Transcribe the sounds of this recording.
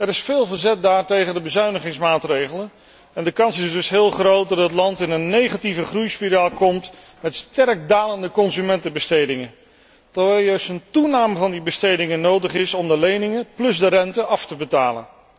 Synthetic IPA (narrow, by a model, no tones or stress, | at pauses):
ɛɾɪsfɪːlˠvəɹzɛt̚daːɹtejχəndəbəzœɥnəχɪŋsmaːtrejχələn | ɛndəkɑnsɪzdɵsɦɪːlˠχrowt̚dɑtətlɑntɪnənːejχativəχrujspiɾaːlˠkɔmt | mɛtstɛrk̚daːləndəkɔnzymɛntəbəstejdɪŋən | tɛʋɛlˠjœɥstəntunaːməvɑndibəstejdɪŋənowdəχɪsɔmdəlejnɪŋəplɵzdərɛntəɑftəbətaːlə̰n